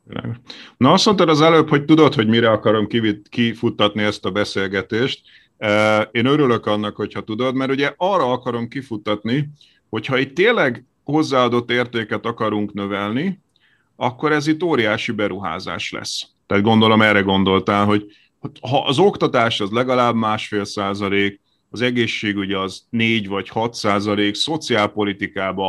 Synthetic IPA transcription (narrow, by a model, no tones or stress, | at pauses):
ɛ̰ɡnɒɒsmo̞nt̪aɾɒzɛløːpho̞c̚t̪ud̪o̞t̪ho̞ɟmiɾɛɒkɒɾo̞mkiikifut̪ːɒt̪niɛst̪ɒbɛseːlɡɛt̪eːʃt̪̚ː | eːnøɾylø̞kɒnːɒkho̞chɒt̪ud̪o̞d̪mɛɾuɟɛʔɒːrːɒɒkɒɾo̞mkifut̪ːɒt̪ni | ho̞chɒiːt̪ːeːlɛɡ | ho̞zːaːɒd̪o̞t̪ːeːrt̪eːkɛt̪ɒkɒɾuŋknøvɛlni | ɒkːo̞ɾɛzit̪ːoːɾijaːʃibɛɾuɦa̰ːza̰ːʃlɛ̰s | t̪aːt̪ɡo̞nd̪o̞lo̞mɛrɛɡo̞nd̪o̞lt̪aːlɦo̞ɟ | ɦɒʔɒzo̞kt̪ɒt̪aːʃɒzlɛɡɒlaːbmaːʃfeːlsaːzɒleːk | ɒzɛɡeːʃːeːɡuɟɛɒzneːɟvɒchɒt̪saːzɒleːkso̞t̪siaːlpo̞lit̪ikaːbɒ